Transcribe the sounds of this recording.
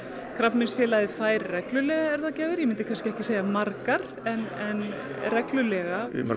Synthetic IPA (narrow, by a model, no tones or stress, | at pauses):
kʰɾapnmɪnsfjɛːlajðɪfaːjɾːɛklʏlɛːɣaɛɾðaðcɛːvɪɾjɛmɪnt̪ɪkʰanscɪɛhcɪseːjamaɾkaɾ̥ | ɛnɛnrɛklʏlɛɣa̰